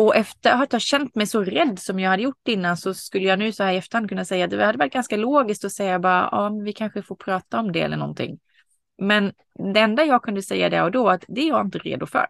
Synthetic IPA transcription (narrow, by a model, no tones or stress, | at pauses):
ɔʔɛft̪əɾhat̪jhɑːɕɛnt̪mɛjsɔɾɛd̪ːsɔmjɑːɡhad̪ːəjʊʈːɛɪnːansɔskɵlːəjɑːnʉ̟ːsɔhæːɾɪɛft̪əɾhand̪̚kʰɵnːasɛjːat̪̚d̪ɛvɪhad̪ːɛvaʈ̚ːɡanskaloːɡɪsk̚t̪ɔsɛjːabɑːɾa̰ʔɔmvɪkʰanɧəfoːɾpʰɾɑːt̪aɔmd̪ɛɛ̰lːəɳɔ̰nt̪ʰɪ̰ŋː | mɛn | d̪ɛɛnd̪ajɑːɡ̚kʰɵnd̪əsɛjːa̰d̪ɛ̰ɾɔd̪ɔat̪d̪ɛjaɪnt̪əɾḛːd̪ʊfœ̰ɾ